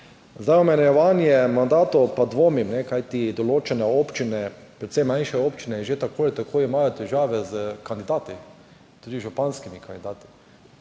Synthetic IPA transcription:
zd̪ajɔmɛnjɛʋanjɛmand̪aːt̪ɔpad̪ʋoːmimnɛkajt̪id̪ɔloːt͡ʃɛnɛoːpt͡ʃinɛpɾɛt̪sɛjmãnʃɛopt͡ʃinɛʒet̪akoːjɛt̪akʰoːimajot̪ɛʒaːʋɛzəkand̪ɪd̪aːt̪i | t̪uːd̪iʒupanskimikand̪id̪aːt̪i̥

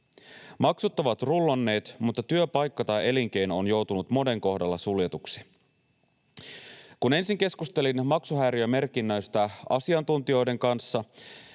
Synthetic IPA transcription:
mɑksut̪ːɑʋɑt̪rulːonːe̞ːt̪mut̪ːɑt̪yøpɑjkːɑt̪ɑje̞liŋk̟e̞jno̞njo̞wt̪unut̪mo̞de̞ŋko̞ɦdɑlːɑsuljet̪uksi̥ | kune̞nsiŋke̞skust̪e̞linmɑksuɦæːɾjøme̞rk̟inːøjst̪æɑ̰siɑnt̪unt̪io̞jde̞ŋkɑnsːɑ

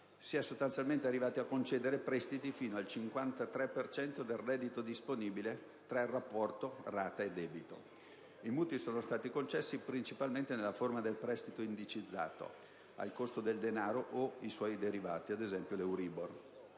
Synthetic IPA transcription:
siːasost̪ant̪sjalment̪earːivaːt̪iakːont͡ʃɛːd̪eɾepɾɛst̪it̪ifiːnoalt͡ʃiŋkwant̪at̪ɾɛpːert͡ʃɛnt̪od̪elrɛd̪ːit̪od̪isponiːbile | t̪ɾarːapːɔrt̪oraːt̪aed̪ɛːbit̪o̰ | imuːt̪isoːnost̪aːt̪ikont͡ʃɛsːipɾint͡ʃipalment̪enelːaformad̪elpɾɛst̪it̪oind̪it͡ʃid̪zːa̰ːt̪o̰ | a̰lkost̪od̪eld̪enaːɾoʔoiswɔjd̪eɾiva̰ːt̪iad̪ezɛmpjolewɾiːbor

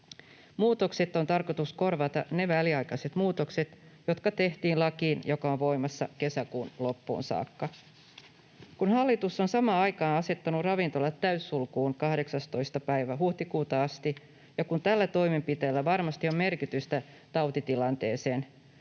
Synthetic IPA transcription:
muːt̪o̞kset̪ːo̞nt̪ɑrko̞t̪usko̞rʋɑt̪ɑne̞ʋæliɑjkɑse̞t̪muːt̪okset̪jo̞t̪kɑt̪e̞ht̪iːnlɑkiːnjo̞kɑonʋo̞jmɑsːɑ̰ke̞sækuːnlo̞pːṵːnsɑ̰ːkːɑ | kunhɑlːit̪usːo̞nsɑmɑːɑjkɑːnɑse̞t̪ːɑnurɑʋint̪o̞lːɑt̪ːæysːulkuːnkɑhde̞ksɑst̪o̞jst̪ɑpæjʋæɦuht̪ikuːt̪ɑɑst̪i | jɑkunt̪ælːæt̪o̞jme̞mpit̪eːlːæʋɑrmɑst̪io̞mme̞rkit̪yst̪æ | t̪ɑwt̪it̪ilɑnt̪e̞ːse̞ːn

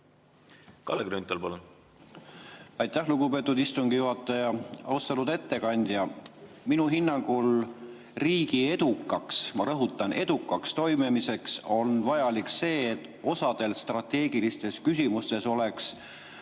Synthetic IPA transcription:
kɑ̰leɡɾynt̪ːˑɑlpɑlun | ɑjt̪ːˑæhluɡ̥upe̞ːt̪ːˑud̪ist̪uŋɡ̥ijuɦɑt̪ːˑɑjɑɑ̰ust̪elud̪e̞t̪ːe̞kɑnʲd̪̥jɑ | minuɦinːɑŋɡ̥ul | riːɡ̥ie̞d̪ukːˑɑksmɑɾɤɦut̪ːˑɑne̞d̪ukːˑɑkst̪o̞jmemise̞kso̞nvɑjɑlikse̞ːt̪ːˑ | o̞sɑd̪̥e̞lst̪rɑt̪e̞ːɡ̥ilist̪e̞skys̬ʲimust̪e̞so̞leks

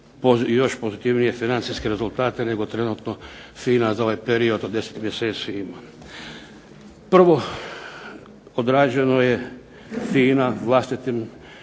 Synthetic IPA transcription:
pojo̞ʃpo̞zit̪iʋnije̞finant̪siskeɾe̞zulˠt̪aːt̪e̞ne̞ɡo̞t̪ɾe̞nut̪no̞fiːnazao̞ʋajpeɾio̞d̪od̪e̞se̥t̪mjese̞ːt̪siima | pr̩ʋo̞ | od̪ɾaːd͡ʒeeno̞je̞ | fiːnaʋlˠast̪it̪im

